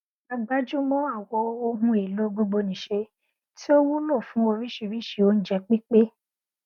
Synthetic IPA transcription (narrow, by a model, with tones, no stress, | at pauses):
a˧ɡ͡ba˦d͡ʒũ˦mɔ̃˦a˦˨wɔ˧o˧ɦũ˧e˨lo˨˦ɡ͡bo˧ɡ͡bo˧nĩ˨ʃe˧ | ti˦o˦wu˦lɔ̃ː˦˨fũ˨˦o˧ɾi˦ʃi˧ɾi˦ʃi˨o˦ñ̩˦d͡ʒɛ˧k͡pi˦k͡pe˦